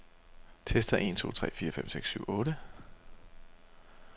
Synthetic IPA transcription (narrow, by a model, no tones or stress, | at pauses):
t͡sʰesd̥ɐʔe̝nt͡sʰo̝̰ːt͡sʰʁɛ̰ːfiːɐfem̰seɡ̥sːyʊ̰ʔɔ̽ːɾə